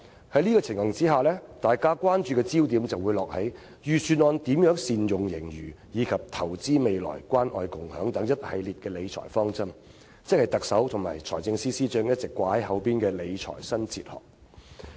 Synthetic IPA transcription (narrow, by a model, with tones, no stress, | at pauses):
hɐ˨˥jliː˥kɔː˧t͡sʰɪ˨˩ŋɐ˨˩ŋt͡siː˥ɦaː˨˩lɛː˥t̪aː˨jkaː˥kʷaː˥nt͡ʃyː˧kɛː˧t͡siː˥wt̪̬iː˨˥mt͡sɐ˨wːuː˨˧jlɔː˨k̚hɐ˨˥j | jyː˨syː˨˧nɔː˧nt̪iː˨˥mjœː˨˥ŋsiː˨˧njʊ˨ŋjɪ˨˩ŋjyː˨˩ | jiː˨˧kʰɐ˨p̚t̪ʰɐ˨˩wt͡siː˥me˨jlɔ̰ː˨˩jkʷwaː˥nʔɔ̰ː˧jkʊ˨ŋhœː˨˥ŋt̪ɐ˨˧˥ŋjɐ˥t̚hɐ˨˧jliː˨˩t̚kɛː˧le˨˧jt͡ʃʰɔ̰ː˨˩jfɔː˥ŋt͡sɐ˥m | t͡sɪ˥k̚hɐ˨˩jt̪ɐ˨k̚sɐ˨˥wt̪ʰʊ˨˩ŋma̰ː˨˩jt͡ʃʰɔ̰ː˨˩jt͡sɪ˧ŋsiː˥siː˥t͡ʃœː˧˥ŋjɐ˥t̚t͡sɪ˨kːʷaː˨˧hɐ˨˥jɦɐ˨˥wpiː˥nkɛː˧le˨˧jt͡ʃʰɔ̰ː˨˩jsɐ˥nt͡sʰḭː˧t̚hɔ̰ː˨˩k̚